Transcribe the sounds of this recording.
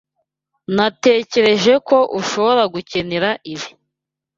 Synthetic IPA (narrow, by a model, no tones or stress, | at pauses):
nate̞ːce̞ɾe̞ʒe̞ko̞ʔuʃo̞βo̞ɾaɡuce̞neɾaʔiβi